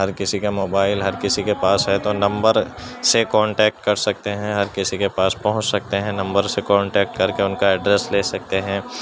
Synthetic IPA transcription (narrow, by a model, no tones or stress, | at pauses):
ɦɐɾkɪsikamoːbaːɪlɦɐɾkɪsikepaːsɦɛt̪onɐ̃mbəɾsekɔ̃ːɳʈɛːk̚ʈkɐɾsɐk̚t̪eɦɛ̃ɦɐɾkɪsikepaːspɐɦʊ̃t͡ʃsɐk̚t̪eɦɛ̃nɐ̃mbəɾsekɔ̃ːɳʈɛːk̚ʈkɐɾkeʊnkaɛɖɾɛːsleːsɐk̚t̪eɦɛ̃ː